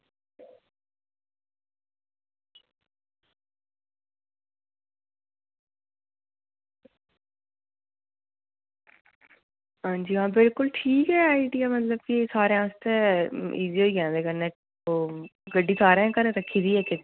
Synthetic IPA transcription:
ɦãːɲd͡ʒiːãːbɪlkʊlʈʰiːkɛːaːiɖijaːmət̪ləb̚kisaːɾeãːst̪eːiːziːɦoːiːkɛ̃ːd̪eːkəne | oɡəɖiːsʰaːɾẽːkəɾẽɾəkʰːiːd̪iːɦɛt͡ʃe

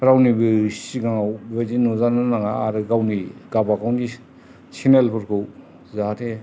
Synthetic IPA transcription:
ɾawnibɯsiɡaŋwbed͡ʒinuzanɯnaŋaaɾɯɡawniɡabakawnɡi | sinelpɯɾkɯw | zatʰe

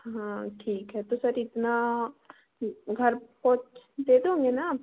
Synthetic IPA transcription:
ɦãːʈʰiːkɦɛt̪osəɾɪt̪na | ɡʱɐɾpoːt͡ʃd̪eːd̪eɦõːŋɡena

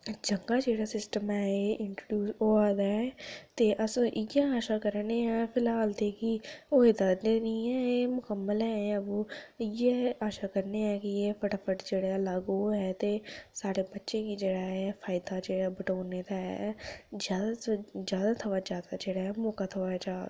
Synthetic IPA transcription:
d͡ʒəŋɡaːd͡ʒeːɽaːsɪsʈəmɛːeɪɳʈɾɖjuːsoːaːd̪aːɛt̪eːʔəsːʔɪɡɛːaːʃaːkəɾneːɛːpʰɪlɦaːlt̪eːkioːɦeːd̪aneːniːɛːeːmʊkəmːəlɛ̃ːəbuːɪjeaːʃaːkəɾneːɛːkɪeːpʰəʈapʰəʈd͡ʒeːɽalaɡoːɦɛːt̪eːsaːɽeːbətːʃẽːkid͡ʒeːɽaːɦɛːpʰaːɪd̪aːd͡ʒeːɽaːbəʈoːneːt̪aɦɛ̰zjaːd̪aːd͡ʒjaːd̪aːt̪ʰəʋaːd͡ʒaːd̪aːd͡ʒeːɽaːɛːmoːkaːt̪ʰəʋad͡ʒaː

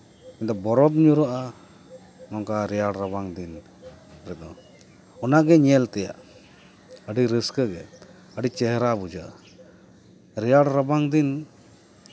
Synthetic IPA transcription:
kint̪ɔbɔɾɔbɲuɾaʔa | mɔŋkaɾɛjaɽɾəbaŋd̪in | ɾɛd̪ɔ | ɔnaɡɛɲɛlt̪ɛja̰ʔ | əɖiɾiskəɡɛ | əɖit͡ʃɛɦɾabud͡ʒaʔa | ɾɛjaɽɾəbaŋd̪in

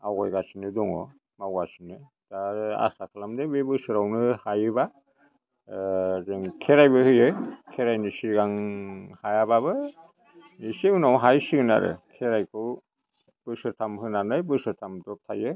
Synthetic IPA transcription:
awɡa̰jɡasinɯdɔŋɔ̰ | mawɡasinɯ | d̥aɾa̰sakʰalamdebebɯsɯɾawnɯhajɯba | zɯŋkʰeɾajbɯhɯjɯkʰeɾajnisiɾɡaŋhajabaβɯ | niseunawɦajsiɡɯna̰ɾɯ̰kʰeɾajkʰɯw | b̥ɯsɯɾtʰamhɯnanɯjbɯsɯɾtʰamdɔtʰajɯ

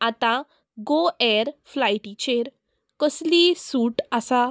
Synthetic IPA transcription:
at̪ã | ɡoɛɾflajʈit͡ɕeɾ | kəslisuːʈasa

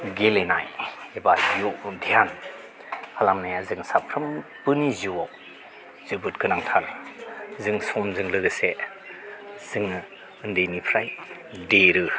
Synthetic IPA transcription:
ɡelena̰jebajuʔdʰijan | hʰalamnajazɯŋsapʰɾɯmpɯniziwaw | z̥ɯbɯt̚kʰɯnaŋtʰal | zɯŋsɔmzɯŋlɯɡɯse | z̥ɯŋɯ | ɯndejnipʰɾaj | deɾɯ

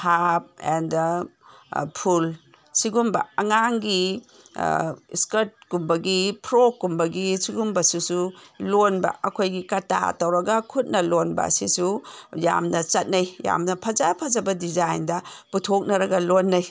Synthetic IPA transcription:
hap̚ɛ̰nd | pʰul | siɡumbɐ̰ɐŋaŋɡi | skɐɾt̚kumbɐɡipʰɾokːumbɐɡisiɡumbɐsusulonbɐ̰ɐkʰojɡikɐta̰tɐwɾɐɡɐkʰut̚nɐlonbɐ̰sisuja̰mnɐt͡ʃɐt̚nɐjja̰mnɐpʰɐzapʰɐd͡ʒɐbɐdizajndɐputʰok̚nɐɾɐɡɐlonːɐj

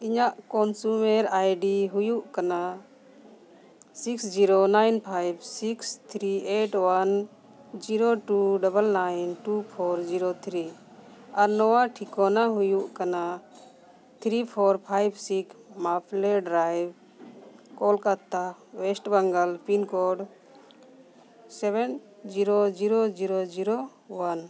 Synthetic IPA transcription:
iɲaʔkɔnsumɛɾajɖiɦujuʔkana | siksd͡ʒiɾonajnpʰajbsikst̪ʰɾieʈwan | d͡ʒiɾoʈuɖabəlnajnʈupʰɔɾd͡ʒiɾot̪ʰɾi | aɾnɔwaʈʰikɔnaɦujuʔkana | t̪ʰɾipʰɔɾpʰajbsikmapʰlɛɖɾajb | kɔlkat̪ːawɛsʈbaŋɡalpinkɔɖ | sɛbɛn | d͡ʒiɾod͡ʒiɾod͡ʒiɾod͡ʒiɾo | wan

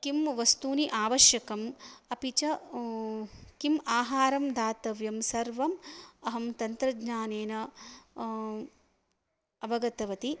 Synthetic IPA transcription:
kimʋɐst̪uːniʔaːʋɐʃjɐkɐmɐpit͡ʃɐ | kimaːɦaːɾɐmd̪ʱaːt̪ɐʋjɐmsɐɾʋɐmɐɦɐmt̪ɐnt̪ɾɐɡɲaːneːnɐ | ɐbɐɡɐt̪ɐʋɐt̪i

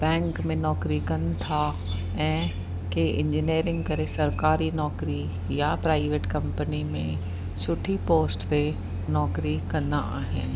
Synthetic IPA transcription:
bɛ̃ːŋkmẽnɔːkɾikɐn̆t̪ʰa | ɛ̃ː | keʔɪ̃ɲd͡ʑineːɾɪ̃ŋɡkɐɾesɐɾkaːɾinɔːkɾi | japɾaːɪʋeːʈkɐ̃mpənimẽ | sʊʈʰipoːsʈt̪e | nɔːkɾikɐ̃nd̪a̰aːɦɪ̰nɪ̆

